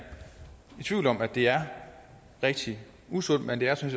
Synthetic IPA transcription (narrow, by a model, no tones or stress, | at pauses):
it͡sʰʋ̥iʊlɒ̽mæd̥e̝æɐ | ʁeɡ̥̚d̥i | uson̰̥mend̥e̝æɐsynɕ